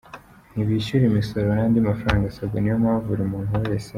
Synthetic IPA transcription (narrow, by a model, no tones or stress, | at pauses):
n̥iβiːʃuɾimiso̞ɾojaːndimafɾaːŋɡasaɡanijomaβavuɾimuːnhuɾɾesa